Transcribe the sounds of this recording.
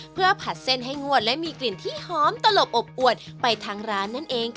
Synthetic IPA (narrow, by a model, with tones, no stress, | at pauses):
pʰɯ˥˩ɐpʰa˨˩t̪̚se˥˩nɦa˥˩jŋu˥˩ət̪̚lɛ˦˥ʔmiː˧kli˨˩nt̪ʰiː˥˩hɔː˦˥mt̪a˧lo˨˩p̚ʔo˨˩p̚ʔu˨˩ət̪̚pa˧jt̪ʰaː˧ŋɾaː˦˥nːa˦˥˩nʔeː˧ŋ